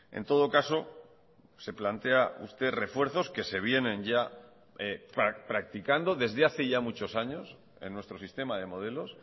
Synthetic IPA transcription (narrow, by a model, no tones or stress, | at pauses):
ḛnt̪o̞ð̞o̞kaso̞ | se̞plant̪e̞aṵst̪e̞re̞fwe̞ɾθo̞ske̞se̞β̞je̞nẽ̞nʝa | epapɾak̚t̪ikand̪o̞ðe̞zðeaθe̞ʝamut͡ʃo̞saɲo̞s | e̞̰nːwe̞st̪ɾo̞sist̪e̞maðe̞mo̞ð̞e̞lo̞s